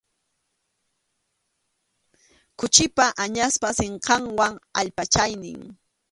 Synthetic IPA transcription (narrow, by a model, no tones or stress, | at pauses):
kʊt͡ʃɪpaʔaɲaspaseɴqɑŋwaŋa̰ʎpat͡ʃajnɪ̰ŋ